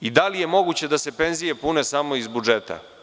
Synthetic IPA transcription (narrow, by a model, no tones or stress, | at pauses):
id̪alije̞mo̞ɡut͡ɕe̞d̪ase̞pe̞nzije̞pune̞samo̞izbud͡ʒet̪ʰa̰